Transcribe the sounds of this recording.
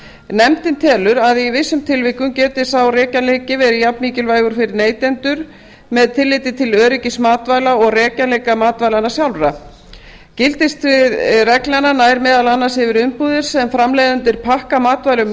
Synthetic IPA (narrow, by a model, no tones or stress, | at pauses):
nɛmt̪ɪnt̪ʰɛːlʏɾaðivɪsːʏmt̪ʰɪlvɪhkʏmcɛːt̪ɪsawrɛːcaleːjcɪvɛːɾɪjapnmiːcɪlvaːjɣʏɾ̥fɪɾɪɾneːjt̪ɛnt̪ʏɾ̥ | mɛðt̪ʰɪlːɪt̪ɪt̪ʰɪlœːɾɪcɪsmaːt̪vaːjlaɔɣrɛːcalejkamaːt̪vajlanːasjawlɾa | cɪlt̪ɪst̪ɾɪðrɛklananaːjɾmɛːðalanːashɪvɪɾʏmpuːðɪɾ̥sɛmfɾamlɛːðʏnt̪ɪɾ̥pʰahkamaːt̪vajlʏm